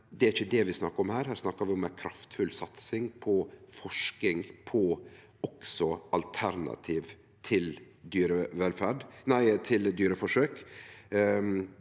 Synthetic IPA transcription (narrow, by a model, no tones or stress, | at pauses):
d̪ɛæɾɪçəd̪ɛʋɪsnɑkːəɾɔmhæːɾɦæːɾsnɑkːəɾʋɪɔmækʰɾɑft̪fʉlsɑt̪sɪŋpʰɔfɔʂkɪŋpʰɔ | ɔksɔʔɑlt̪ʰæɾnɑ̰t̪ʰiːʋ | t̪ʰɪl | d̪yːɾəʋɛlfæːɖnæɪt̪ʰɪld̪yːɾəfɔʂøːk